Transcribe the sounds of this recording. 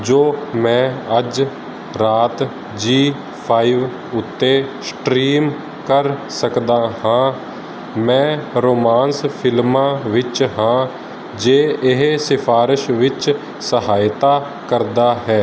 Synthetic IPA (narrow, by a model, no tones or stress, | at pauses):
d͡ʒoːmɛ̃ːəd͡ʒ | ɾaːt̪ | d͡ʒiː | pʰaːiːʋ | ʊt̪ːeːsʈɾiːm | kəɾsəkd̪aːhãː | mɛ̃ːɾoːmaːnspʰɪlmãːʋɪt͡ʃɦãː | d͡ʒeːɪɦsɪpʰaːɾɪʃʋɪt͡ʃ | səɦaːjt̪aː | kəɾd̪aːɦɛː